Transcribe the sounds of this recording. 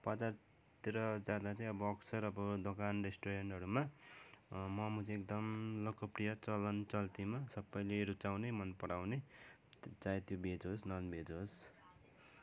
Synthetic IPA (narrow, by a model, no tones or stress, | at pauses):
pʌd͡zar | t̪iɾʌd͡zad̪at͡sʌĩʌbʌʌksʌɾʌbʌd̪okanresʈoɾeɳʈʌɾuma | mʌmut͡sek̚d̪ʌmlokʌprijʌt͡sʌlʌnt͡sʌlt̪imasʌbʌjleɾut͡sawnemʌnpʌɽawne | t͡saẽt̪jobed͡zosnʌnbed͡zɦos